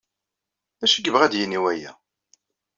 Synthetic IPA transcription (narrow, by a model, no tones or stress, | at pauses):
æʃiɡəvʁæd̪jiniwæjæ̰